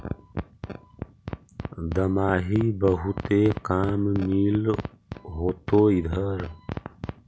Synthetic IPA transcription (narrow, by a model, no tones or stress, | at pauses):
d̪əmaːɦiːbəɦut̪eːkaːmmiːl | ɦoːt̪oːid̪ʱəɾ